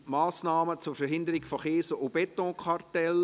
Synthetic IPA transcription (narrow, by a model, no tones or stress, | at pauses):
maːsnaːmət͡sʊːɾfɛɦɪndəɾɪɡfoχeːsoʔobɛtɔ̃kʰartɛl